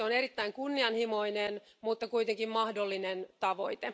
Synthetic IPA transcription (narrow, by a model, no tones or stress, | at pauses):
oneɾit̪ːæiŋkunːiɑnhimoinen | mut̪ːɑkuit̪eŋkimmɑhdolːinent̪ɑʋo̞̰it̪e